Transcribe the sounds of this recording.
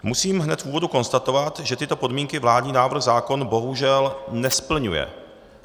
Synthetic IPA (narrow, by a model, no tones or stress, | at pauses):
musiːmɦnɛt̪fuːvo̞duko̞nst̪at̪o̞vat̪ʒɛt̪ɪt̪o̞po̞dmiːŋkɪvlaːdɲiːnaːvr̩ɣzaːko̞nbo̞ɦuʒɛlnɛspl̩ɲujɛ̰